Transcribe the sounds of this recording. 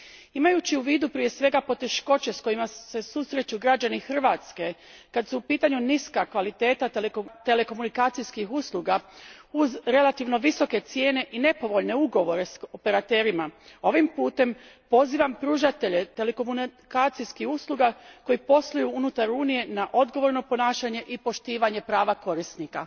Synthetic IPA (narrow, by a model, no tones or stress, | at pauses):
imajut͡ɕiuʋiːd̪upɾije̞sʋe̞ɡapo̞t̪e̞ʃko̞t͡ɕe̞sko̞jimase̞susɾe̞t͡ɕuɡɾad͡ʑanixr̩ʋaːt̪ske̞kad̪suːpiːt̪aɲuniskakʋalit̪e̞ːt̪at̪e̞le̞ko̞munikaːt̪sijskixuslˠuːɡauzɾe̞lat̪iʋno̞ʋiso̞ke̞t̪sje̞ːne̞ʔine̞po̞ʋo̞ʎne̞uɡo̞ʋo̞ɾe̞so̞pe̞ɾat̪e̞ːɾimao̞ʋimpuːt̪e̞mpo̞ziːʋampɾuːʒat̪e̞ʎe̞t̪e̞lekomunkaːt̪sijskihuslˠuɡako̞jipo̞slujuunut̪aɾuːnije̞naʔo̞d̪ɡo̞ʋo̞ɾno̞po̞naːʃaɲe̞ʔipo̞ʃt̪iːʋaɲe̞pɾaːʋako̞ɾisnika